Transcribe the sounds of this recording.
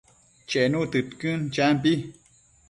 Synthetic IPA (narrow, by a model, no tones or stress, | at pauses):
t͡ʃenũt̪ɨt̪kɨnt͡ʃamp̬i